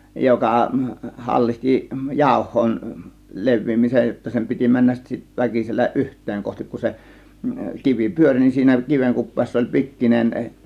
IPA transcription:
jokɑ hɑlːihti jɑˑo̝hˑoin leʋˑiːmisej jotːɑ sem pitʲi mænːæs sit ʋækiselːæ ʔyhtˑeːŋ kohtik kun se kiʋi pyørʲ nin siːnæ kiʋeŋ kupˑeːsːɑ olʲ pikːinen

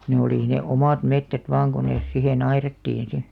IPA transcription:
ne oliˑ ne omɑˑt metːæt ʋɑːŋ ko nes sihen ɑirɑtːiːn si

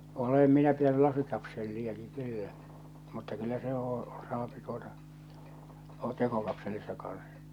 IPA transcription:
olem minæ pitæny lɑsikɑpselːiɑki kylːæ mutːɑ kylːæ se oː sɑːpi tuotɑ ol̥ːɑ̥t tekokɑpselisːɑ kɑn̞s

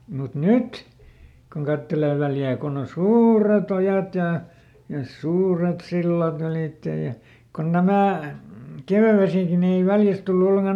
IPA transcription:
mut nyt kun kɑtːeleː ʋæljæː konː on suːret ojɑt jɑ jɑ suːret silːɑt yliˑtːej̆ jɑ kon næmæˑ keˑʋæʋesiˑki ni ei ʋæljæs tulːu olːeŋkɑ

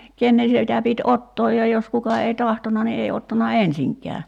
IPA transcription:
kenːen̞ sitæ pit otːoːj jɑ jos kukɑ ei tɑhtonɑ ni ei otːɑnɑ ensiŋkˑɛæ

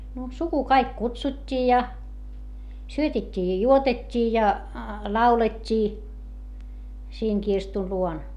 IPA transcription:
no suku kɑik kutsutʲːiː jɑ syøtetʲːiː jɑ juotetʲːiː jɑ lɑuletʲːiː siːŋ kirstu luon

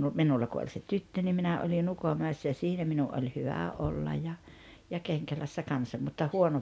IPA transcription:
minulːɑ kun olʲ se tytːø ni minæ olin ukomæˑesːæ jɑ jɑ siːnæ minuʔ ʔolʲ hyʋæ ʔolːɑj jɑ jɑ keŋkælæsːæ kɑnsɑ mutːɑ huono

